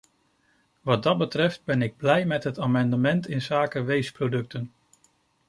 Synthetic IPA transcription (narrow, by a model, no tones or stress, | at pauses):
ʋɑd̚dɑd̚bətrɛft̚bɛnɪɡ̚blɛjmɛtɦətaːmɑndəmɛntɪnzaːkəʋejsprodɵk̚tən